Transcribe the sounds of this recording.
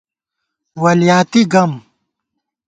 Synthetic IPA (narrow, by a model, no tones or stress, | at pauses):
wɐljaːt̪iɡɐm